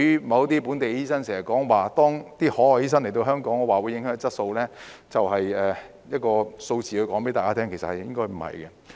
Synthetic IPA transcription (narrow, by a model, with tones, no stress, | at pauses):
y˥mɐ˨˧wt̪iː˥puː˨˥nt̪e˨jiː˥sɐ˥nseː˨˩ɐ˨˩kɔː˨˥ŋwaː˨˩t̪ɔː˥ŋt̪iː˥hɔː˨˥hɔː˨˩jiː˥s̬ɐ˥nle˨˩t̪o˧wɦœː˥ŋkɔː˨˥ŋːɔː˨˧waː˨˩wu˨˧jːɪ˨˥ŋɦœː˨˥t͡sɐ˥t̚so˧wlɛː˥t͡sɐ˨wɦɐ˨jɛː˨˩ | jɐ˥t̚kɔː˧so˧wt͡siː˨kɵ˧jkɔː˨˥ŋpe˨˥t̪aː˨kaː˥t̪ʰɛː˥ŋkʰe˨˩sɐ̰˨t̚hɐ˨jjɪ˥ŋkɔː˥jm̩˨˩hɐ̰˨˩jkɛ˧